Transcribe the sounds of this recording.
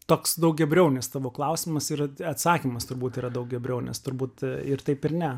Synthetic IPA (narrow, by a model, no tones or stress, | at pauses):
t̪oːksd̪ɐʊk̚ɡʲɛbʲɾʲɛʊnʲɪst̪ɑːʋoːklˠɐʊsʲɪmɐsɪrɐt̪sɑːkʲiːmɐst̪ʊɾbuːt̪iːɾɐd̪ɐʊk̚ɡʲɛbʲɾʲɛʊnʲɛ̰st̪ʊɾbuːt̪ɪɾt̪ɐɪpɪɾnʲɛ